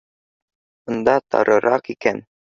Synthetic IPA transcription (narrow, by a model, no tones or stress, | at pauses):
ŏnd̪ɑt̪ɒ̰ɾʔɤ̆ɾʔɑqikæn